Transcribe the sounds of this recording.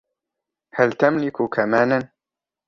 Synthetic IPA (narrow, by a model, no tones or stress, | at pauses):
hælt̪amlikʰuːkʰɐmaːnan